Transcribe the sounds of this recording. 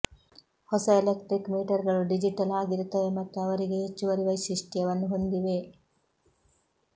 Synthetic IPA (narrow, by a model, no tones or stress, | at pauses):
hɔsɐelekʈɾikmiːʈɐɾɡɐɭuɖid͡ʒiʈɐlaːɡiɾut̪ːɐʋe̞mɐt̪ːuɐʋɐɾiɡeɦet͡ʃːuʋɐɾiʋɐjʃiʂʈijɐʋɐnːuɦo̞nd̪iʋe̞